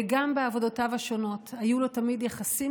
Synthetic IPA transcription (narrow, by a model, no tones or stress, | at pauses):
eɡambeavo̞do̞tavaʃo̞no̞thajulo̞tamidjaχasi